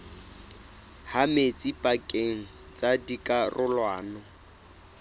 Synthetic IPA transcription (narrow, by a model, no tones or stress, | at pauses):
hamet͡sʼipʼakʼeŋ̩ | t͡sʼadikʼarʔʊlwaːnɔ